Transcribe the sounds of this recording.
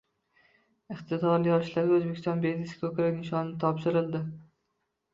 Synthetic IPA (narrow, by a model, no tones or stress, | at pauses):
ɪχt̪ʰɪd̪ɒɾɪjɒʃlaɾʲɵzbe̞kʲʰɪst̪ɒnbezɪsʲkʰɵkʲɾakʲnɪʃɒnɪnɪt̪ʰɒpʃɪɾɪld̪ɪ